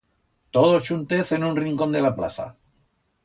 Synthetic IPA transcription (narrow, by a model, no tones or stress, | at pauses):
t̪oð̞ot͡ʃunt̪eθe̞nũnriŋko̞nd̪e̞lapla̰θa̰